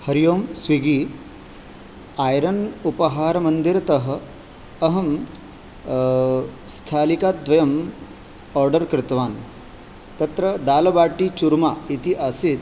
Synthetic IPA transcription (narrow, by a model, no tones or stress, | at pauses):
hɐɾijoːmsʋiɡiː | aːjɾɐnupɐɦaːɾɐmɐnd̪iɾɐt̪ɐɦɐ̆ | ɐɦɐm | st̪ʰaːlikaːt̪̚d̪ʋɐjɐm | ɔːɾɖɐɾkɾɪt̪ʋaːn | t̪ɐt̪ɾɐd̪aːlɐbaːʈit͡ʃuɾmaːit̪iʔasit̪